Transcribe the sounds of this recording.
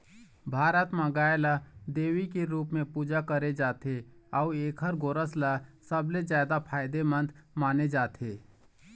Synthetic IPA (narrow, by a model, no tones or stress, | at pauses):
bʱaːɾət̪mãɡaːjlad̪eːʋikeɾuːpmẽpuːd͡ʒakəɾed͡ʒaːt̪ʰeɔueːkʰɦəɾɡoːɾəslasəblezjaːd̪apʰaːɪd̪emə̃nd̪maːned͡ʒaːt̪ʰeː